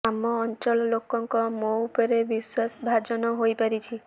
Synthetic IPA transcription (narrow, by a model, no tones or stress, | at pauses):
amɔːnt͡ʃɔllokɔŋkɔmopɔɾebiswasbʱad͡ʒɔnɔɦojpaɾit͡ʃʰi